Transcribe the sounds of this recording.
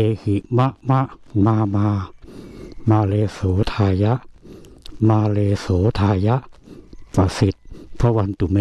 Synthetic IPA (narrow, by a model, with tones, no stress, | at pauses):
eː˧hi˨˦ʔma˦˥ʔma˦˥ʔmaː˧maː˧ | maː˧leː˧soː˨˩˦t̪ʰaː˧ja˦˥ʔ | maː˧leː˧soː˩˦t̪ʰaː˧ja˦˥ʔpa˧˩si˨˩t̪̚pʰɔ˦˧˥wa˧nt̪u˨˩˨me˧